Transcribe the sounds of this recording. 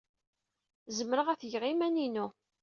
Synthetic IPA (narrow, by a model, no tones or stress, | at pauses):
zəmːɾəʁæθjʁimæninu